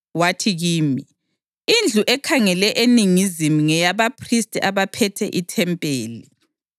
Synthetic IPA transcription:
watʰiɣiːmi | ind͡ɮʱuʔɛkʰaŋɛlɛʔeniŋizimuŋɛjaβapʰristʼiʔaβapʰɛtʰɛ̰ʔitʰɛmpʼeːli

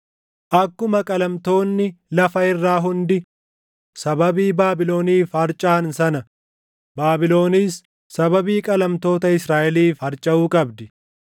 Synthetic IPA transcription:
ʔɐkːʊmɐkʼɐlɐmt̪o̞ːnːɪlɐfɐɪrːaːɦʊnd̪ɪ | sɐbɐbiːbaːbɪlo̞ːniːfhɐɾt͡ʃʼaːnsɐnɐ | baːbɪlo̞ːniːsː | ɐbɐbiːkʼɐlɐmt̪o̞ːt̪ɐɪsɾaːʔɛliːfhɐɾt͡ʃʼɐuːkʼɐbd̪ɪ

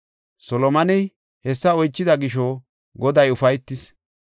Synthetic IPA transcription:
sɔlɔmɐnɛj | hɛsːɐɔjt͡ʃːɪd̪ɐɡɪʃɔ | ɡɔd̪ɐjʊfɐjt̪ːɪs

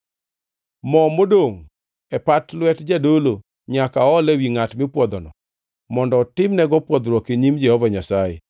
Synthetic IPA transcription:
mɔmodoŋ | ɛpatlwɛtd͡ʒadolo | ɲakaɔlɛwiŋatmɪpwɔd̪ɔnɔ̰ | mɔndɔːtɪmnɛɡɔpwɔd̪ɾɔkeɲimd͡ʒɛhɔvaɲasajḛ

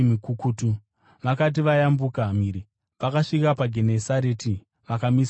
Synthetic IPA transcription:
mikukuːtu | ʋakat̬iʋajambukam̤iːɾi | ʋakaʂikapaɡʱenesaɾeːti | ʋakamis

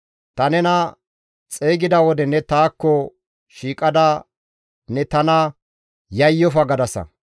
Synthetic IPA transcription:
t̪ɐnɛnɐ | t͡sʼeːɡɪd̪ɐwɔd̪ɛnɛt̪aːkːɔ | ʃiːkʼɐd̪ɐ | nɛt̪ɐnɐ | jɐjːɔfɐɡɐd̪ɐsɐ̰

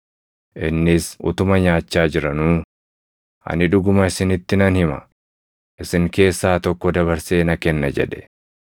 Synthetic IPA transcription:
ʔɪnːɪsʔʊ̰t̪ʊmɐɲaːt͡ʃːaːd͡ʒɪɾɐnuː | ʔɐ̰nɪᶑʊɡʊmɐɪsɪnɪt̪ːɪnɐnhɪmɐ | ʔɪsɪŋke̞ːsːaːt̪ɔkːɔd̪ɐβɐɾse̞ːnɐkɛnːɐd͡ʒɛ̰ᶑɛ̥

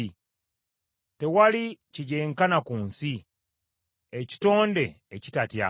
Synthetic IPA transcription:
te̞waliciɟeːŋkanakuːnsi | eci̥to̞ːnde̞ːcitatja

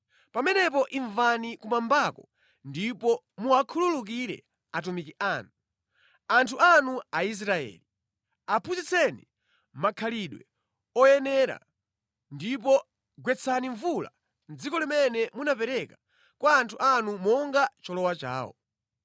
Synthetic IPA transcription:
pamɛnɛp̬ɔʔiɱvanikumambakɔ | ndipɔ | muakʰululuk̬iɾɛ̰ | at̬umikiʔanu | antʰuanuais̬ɾaɛ̰ːli | apʰuzit͡sʰɛni | makʰaliɗwɛ̰ | ɔjɛnɛɾa̰ | ndip̬ɔ | ɡwɛt͡sʰaniɱvula̰ | nd͡zikɔlimɛnɛmunapɛɾɛkḁ | kwaːntʰuʔanumɔŋɡat͡ʃɔlɔwat͡ʃa̰ːwɔ̰

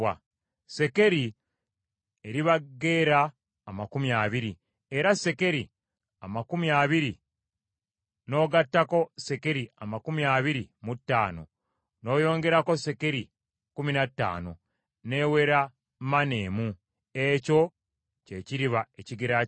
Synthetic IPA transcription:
a | se̞ke̞ɾi | eɾiβaɡːe̞ːɾaː | makumjaβiɾi | e̞ɾase̞ke̞ɾi | amakumjaːβiɾi | no̞ːɡatːako̞se̞ke̞ɾiamakumiaβiɾimutːaːno̞̰ | no̞ːjo̞ːŋɡe̞ɾako̞se̞ke̞ɾi | kuminatːa̰ːno̞̰ | ne̞ːwe̞ɾa | mane̞ːmu | e̞co̞ | ce̞ːciɾiβaeciɡeɾa

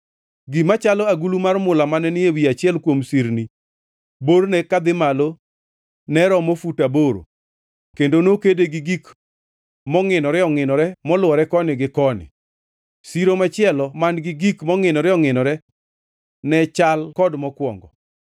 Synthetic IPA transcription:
ɡimat͡ʃalɔaɡulumaɾmʊlamanɛnɪewiat͡ʃɪɛlkwomsiɾni | boɾnɛkad̪ɪmalo | nɛɾɔmofutaboɾo̰ | kendonokedeɡiɡik | mɔŋɪnɔɾɛɔŋɪnɔɾɛmɔlʊɔɾɛkɔnɪɡɪkɔnɪ̰ | siɾomat͡ʃɪɛlɔmanɡɪɡikmɔŋɪnɔɾɛɔŋɪnɔɾɛ | nɛt͡ʃalkɔdmɔkwɔ̰ŋɡɔ̰

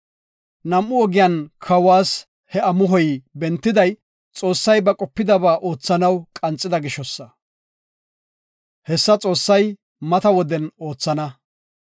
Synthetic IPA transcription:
nɐmʔʊɔɡɪjaːnkʰɐwaːs | hɛɐmʊɦɔjbɛnt̪ːɪd̪ɐj | t͡sʼo̞ːsːɐjbɐkʼɔpːɪd̪ɐbaːʔo̞ːt͡sːɐnɐwkʼɐnt͡sʼːɪd̪ɐɡɪʃɔsːɐ | hɛsːɐt͡sʼo̞ːsːɐj | mɐt̪ɐwɔd̪ɛno̞ːt͡sːɐnɐ

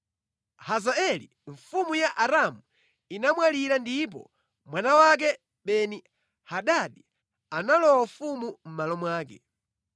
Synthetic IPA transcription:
hazaɛli | ɱfumujaʔaɾamu | inamwaliɾandip̬ɔ̰ | mwanawak̬ɛ | ɓɛni | haɗaɗi | analɔwafumum̩malɔmwaːkɛ̰

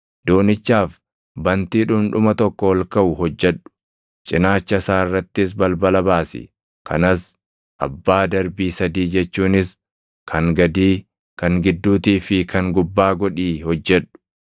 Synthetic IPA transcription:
d̪̥oːnɪt͡ʃːaːf | bɐnt̪iːᶑʊːmnᶑʊmɐt̪ɔkːɔwɔlkɐʔʊhɔd͡ʒːɛᶑʊ̥ | t͡ʃʼɪnaːt͡ʃːɐsaːɪrːɐt̪ːɪs̬bɐlbɐlɐbaːsɪ̰ | kʰɐ̰nɐs | ʔɐ̰bːaːd̪ɐɾbiːsɐd̪iːd͡ʒɛt͡ʃːuːnɪs | kʰɐŋɡɐd̪iː | kɐŋɡɪd̪ːuːt̪iːfɪkʰɐŋɡʊbːaːɡɔᶑiːhɔd͡ʒːɛᶑʊ̥

